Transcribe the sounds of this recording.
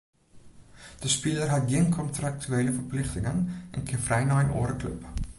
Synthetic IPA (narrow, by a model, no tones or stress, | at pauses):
d̥əspilərɦɐtdiənkʰɔntrak̚tyeːləfərplɪχtɪŋənʔɛ̰nkʰifrɛjnɑːɛnʔɔ̰ːɾəklɵ̰p